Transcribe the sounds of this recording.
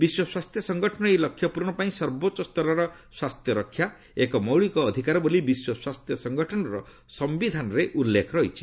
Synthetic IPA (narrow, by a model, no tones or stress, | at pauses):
biswɔswast̪jɔsɔŋɡʱɔʈʰɔnɔejlɔkʰːjɔpuɾɳ̃ɔpaĩsɔɾbot͡ʃɔst̪ɔɾɔɾɔ | swast̪jɔɾɔkʰːja | ekɔmɔwɭikɔːd̪ʱikaɾɔbolibiswɔswast̪jɔsɔŋɡʱɔʈʰɔnɔɾɔ | sɔmbid̪ʱanɔɾeʔulːekʰɔɾɔɦit͡ʃʰi̥